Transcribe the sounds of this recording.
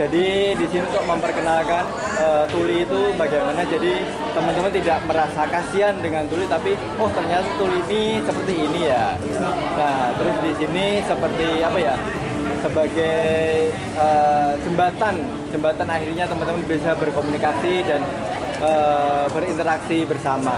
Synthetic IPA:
d͡ʒadidisiniunt̪ʊk̚məmpərkənalkan | əːt̪uliːt̪ubaɡajmanad͡ʒadi | t̪əmənt̪əmant̪idaʔməɾasakasiandəŋant̪ulit̪api | ʊht̪ərɲat̪at̪ulinisəpərt̪iːnija | naht̪əɾʊsdisinisəpərt̪iapaja | səbaɡaj | əːsəmbat̪an | səmbat̪anahiɾɲat̪əmənt̪əmanbisabərkomunikasidan | ʔəːbəɾint̪əɾaksibərsama

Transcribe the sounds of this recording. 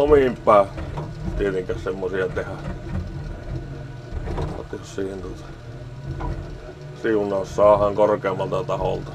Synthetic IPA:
omimpːˑæˑːt̪iet̪eŋkæhsemːosiɑt̪ehæ | o̰t̪ossiːhent̪ŭŏt̪ɑ̥ | siunˑɑːˑssɑːˑhɑŋkorkeːmːˑɑlt̪ɑt̪ɑho̰lt̪ɑ̥

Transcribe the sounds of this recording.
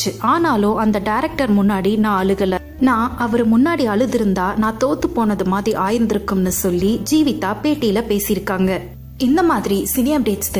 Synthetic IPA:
t͡ʃːɯaːnaːlʊ̃ːʔɐnd̪ɐɖɐɪɾɐk̚ʈɐɾmʊnːaːɽinãːɐɭɯɣɐlɐ | nãːɐʋɐɾɯmʊnːaːɽiɐɭɯðɪɾɯnd̪aːnãːt̪oːt̪ːɯpoːnɐðɯmaːðɾiʔaːjɪɾnd̪ɪɾɯkːɯmnɯsɔlːid͡ʒiːʋɪt̪ːaːpeːʈːijɪlɐpeːsɪjɪɾɯkːaːŋɡɐ | ɪnd̪ɐmaːðɪɾisɪnɪjɐmɖeːʈst̪

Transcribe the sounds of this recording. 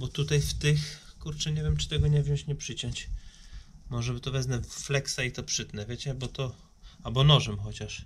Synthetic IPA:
bɔt̪ut̪ajft̪ɪx | kuɾt͡ʂɛɲɛvʲjɛmt͡ʂɨ̥t̪ɛɡɔɲɛvʲjɔ̃ɕt͡ɕɲɛpʂɘt͡ɕɔɲt͡ɕ | mɔʐɛbɨt̪ɔvɛznɛflɛksait̪ɔpʂɘt̪nɛvʲjet͡ɕɛbɔt̪ɔ | albɔnɔʐɛmxɔt͡ɕaʂ

